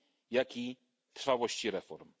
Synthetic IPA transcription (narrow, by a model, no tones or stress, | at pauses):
jakʲi | t̪ɾ̥fawɔɕt͡ɕiɾɛfɔɾm